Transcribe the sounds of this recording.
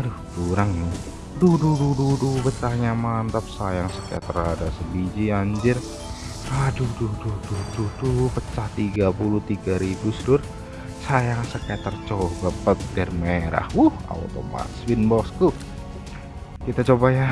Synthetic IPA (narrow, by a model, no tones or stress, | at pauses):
aɾuhkuɾaŋnʊ | dududududupət͡ʃahɲamant̪ap̚sajaŋsəka̰t̪əradasəbid͡ʒiaɲd͡ʒɪr | ɾadudududududupət͡ʃaht̪iɡapuluht̪iɡaɾibʊsdʊr | sajaŋsəkat̪ərt͡ʃobapət̪̚ɡɛrmeɾa̰hwuha̰w̰t̪o̰ma̰swinbɔsku | kit̪at͡ʃobaja